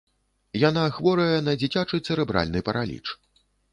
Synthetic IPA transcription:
janaxvɔɾɐjɐnɐd͡zʲit͡sʲat͡ʂɨt̪sɛɾɛbɾa̰lʲnɨpɐɾalʲḭt͡ʂ

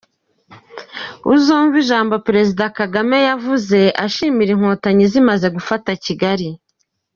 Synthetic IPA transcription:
uzoːɱviʒaːmbo̞peɾe̞zidakaɡame̞javuze̞ʔaʃiːmiɾiŋ̥hoːtaɲizimaze̞ɡufataciɡaɾi

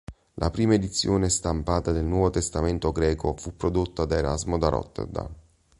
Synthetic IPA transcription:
lʔa̰pɾiːmaed̪it̪sːjoːnest̪ampaːt̪ad̪elnwɔːvot̪est̪ament̪oɡɾɛːkofupːɾod̪ot̪ːad̪aeɾa̰zmod̪aɾɔ̰t̪ːḛd̪a̰

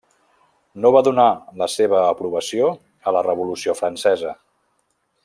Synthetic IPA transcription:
noβaðunaləseβ̞əːpɾuβəsio | ələrəβulusiofɾənsɛzə

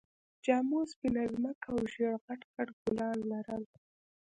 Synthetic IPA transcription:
d͡ʒɑmosbinazməkaaːwʒeɽɣaʈkaʈɡʊlɑnlaɾəl

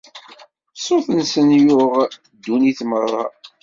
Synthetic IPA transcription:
sˤoθənsənjʊʁ | d̪ːuniθmərˤːɑ̰

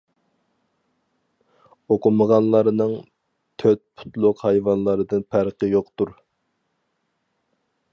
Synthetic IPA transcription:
oqʊməʁɑnlˠɑɾnɨŋ | t̪ʰøt̪̚pʰu̥t̪lˠʊqhɑjvɑnlˠɑɾɨd̪ɨnpʰæɾqəjoqt̪uɾ

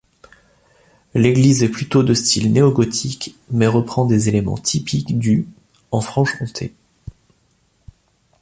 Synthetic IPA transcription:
leɡlizɛplyt̪od̪əst̪ʰilneɔɡɔt̪ʰik | mɛʁəpχɑ̃d̪ezelemɑ̰̃t̪ʰipʰikd̪y | ɑ̃fχɑ̃ʃkɔ̃t̪ʰḛ

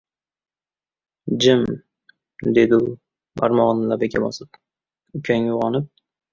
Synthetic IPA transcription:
d͡ʒɪm | d̪ed̪ɪʊ | ba̰ɾmɒʁnlapekʲʰabɒ̰sɪp̚ | ʊkʲʰanjʊʁɒnɪp̚

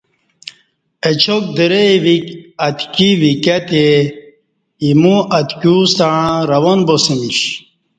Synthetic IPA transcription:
et͡ɕʰok̚d̪əɾeʋikɐt̪kiʋikat̪e | imũʔɐt̪kusaɻãɾɐwonbosimiʂ

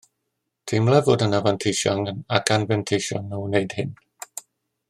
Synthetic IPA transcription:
tʰimlɛvʊdənavantʰeʃɔŋənaɡanvɛntʰejʃɔ̰nːɔwnejd̥hɪn

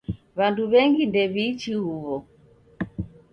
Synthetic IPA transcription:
βanduβɛŋɡindɛβit͡ʃihuβɔ

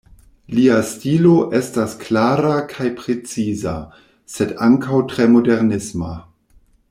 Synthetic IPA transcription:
liastilo̞ʔe̞stasklaːɾakʰajpɾet͡siza̰ | sedaŋkawtɾemo̞deɾnisma̰

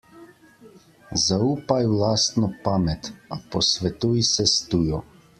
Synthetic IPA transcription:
zauːpajwlaːst̪nɔpaːmɛt̪apɔsʋɛt̪ujsɛst̪ujɔ

